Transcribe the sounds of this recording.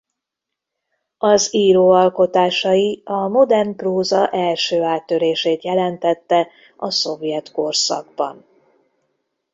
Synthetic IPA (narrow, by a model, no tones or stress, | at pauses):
ɒziːɾoːɒlko̞t̪aːʃɒjiɒmo̞d̪ɛrnproːzɒʔɛlʃøːaːt̪ːø̞ɾeːʃeːt̪jɛlɛnt̪ɛt̪ːɛ | ɒso̞vjɛt̪ko̞rsɒ̰ɡ̚bɒ̰n